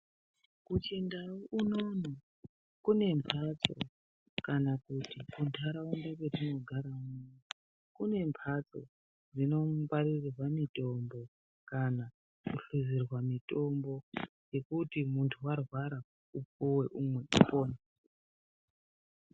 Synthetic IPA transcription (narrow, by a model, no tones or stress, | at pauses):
kut͡ʃe̞ndawuʔunono | kune̞mpʰat͡so̞̰ | kanakutikundʰʱaɾaundakwetino̞ɡʱaɾaune | kune̞mpʰat͡so̞̰ | d͡zino̞ɡwarirrwamito̞mbo̞ | kana | kuɬuzirwamito̞mbo̞ | je̞kutimuntʰuwarwaɾa | up͡fuwe̞ʔumwe̞upoːna